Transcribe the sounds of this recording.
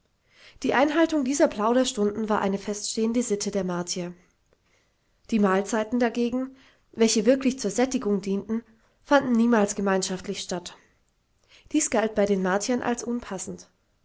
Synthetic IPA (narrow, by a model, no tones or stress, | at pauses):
d̥iːʔaɪnɦaltʊŋdiːzɐpl̥aʊɾɐʃtʊndn̩vaːʔa̰ɪnəfɛstʃteːəndəzɪtʰədeːɐmaɐtʰiɐ | d̥iːmaːlt͡saɪtn̩daɡeːɡŋ̩ | vɛlçəvɪɐklɪçt͡suːɐzɛtɪɡʊŋdiːntn̩ | fandn̩niːmaːlsɡ̥əmaɪnʃaftlɪçʃtat | d̥iːsɡ̥alt̚b̥aɪdeːnmaɐtʰiɐnʔa̰lsʔʊnpʰasn̩t